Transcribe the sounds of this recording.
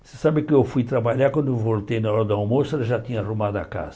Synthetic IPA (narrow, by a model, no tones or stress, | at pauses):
sesabɪkɪewfujt̪ɾabaʎaɾkwɐ̃nd̪ʊewvolt̪ejnaɔɾɐd̪ʊawmosʊʊewʒat̪ĩɲɐarumad̪ʊa̰ka̰zɐ